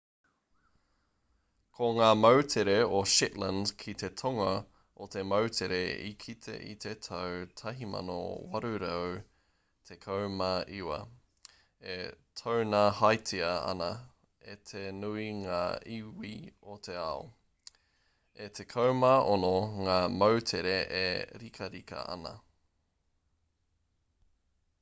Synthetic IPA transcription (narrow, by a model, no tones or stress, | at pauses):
kʰoŋaːmɐwt̪ʰeɾeoʃɪtlə̃ndkʰit̪e̞t̪ʰoŋɐ | ʔot̪e̞mɐwt̪ʰeɾeḭkʰit̪ʰḛʔḭt̪ʰet̪ʰɐwt̪ʰɐɦimɐ̰no̰wɐ̰ɾʉɾɐw | t̪ʰekʰɐwmɐʔiwɐ̰ | et̪ʰownahajt͡siɐɐ̰nɐ | et̪ʰenuiŋaːiwiot̪ʰe̞ɐo̰ | et̪ʰe̞kʰɐwmɐʔonoŋaːmɐwt̪ʰeɾeʔeɾikʰɐɾikɐ̰ɐ̰nɐ̰